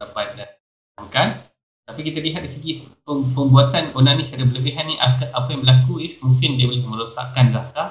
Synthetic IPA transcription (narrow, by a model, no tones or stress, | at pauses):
dapat̪̚da | aŋkan | t̪apikit̪aliɦat̪̚diisəɡi | əpəmbuat̪anunanĩt͡ʃaɾabələbiɦanːĩʔakaʔapajãŋbəlakuismũŋkɪndiabolɪhmə̃ɾosa̰ʔkanzaka